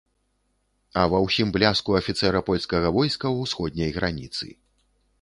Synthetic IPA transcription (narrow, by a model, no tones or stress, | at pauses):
ɐvɐwsʲimblʲaskuɐfʲit̪sɛɾɐpɔlʲskɐɣɐvɔjskɐwsxɔd̪̚ʲnʲɐjɣɾanʲit̪sɨ̰